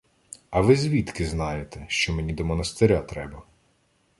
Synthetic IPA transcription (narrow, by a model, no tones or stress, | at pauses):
ɐʋɪzʲʋʲit̪kɪznɑjet̪ɛʃt͡ʃɔmenʲid̪ɔmɔnɐst̪eɾʲat̪ɾɛbɐ